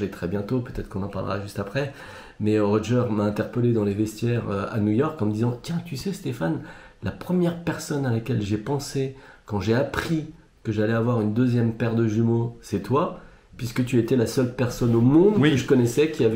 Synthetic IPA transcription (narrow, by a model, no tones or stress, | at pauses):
ɛt̪χɛbjɛ̃t̪opøt̪ɛt̪χəkɔ̃nɑ̃pa̰ʁlə̰ʁa̰ʒyst̪apχɛ | mɛʁɔʒɛʁmaɛ̃t̪ɛʁpəled̪ɑ̃levɛst̪jɛʁøa̰nujɔʁkɑ̃məd̪izɑ̃t̪jɛ̃t̪ysɛst̪efanlapχəmjɛʁpɛʁsɔnalakʲɛlʒepɑ̃sekɑ̃ʒeapχi | kəʒalɛavwaʁynd̪øzjɛmpɛʁd̪əʒymosɛt̪wa | pɥiskət̪̬yet̪ɛlasœlpɛʁsɔnomɔ̃d̪kəʒəkɔnɛsɛkʲiavɛ